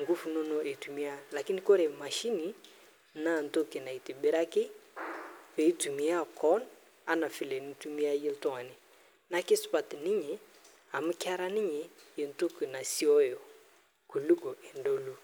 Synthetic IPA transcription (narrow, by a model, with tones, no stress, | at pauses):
ŋɡu˦fu˨nɔ˦nɔ˦ʔe˨tu˨mi˦a˦la˨ki˦ni˦kɔ˦ɾe˨ma˨ʃi˦ni˨˦ | na˦˨n̩˨to˦ke˨na˨i˨ti˨bɪ˦ɾa˦kɪ˦ | ve˨i˦tu˨mi˨˦a˦kɔ˦n | a˦na˨fi˨le˨ni˨˦tu˦mi˦a˦je˦ltɔ˦ŋa˨nɪ˨ | na˦kɪ˦spa˨tni˦ɲe˨ | a˨mu˦kɪ˦a˦ɾa˦ni˦ɲe˨je˨nto˦ke˨na˨si˦ɔ˦jo˨ | ku˨lu˦ko˨e˨ndo˨lu˦